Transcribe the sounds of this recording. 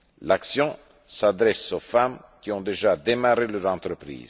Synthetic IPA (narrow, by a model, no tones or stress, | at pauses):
laksjɔ̃ | sad̪ɾɛsofamkiɔ̃d̪eʒad̪emaɾeløɾɑ̃t̪ɾəpɾḭːz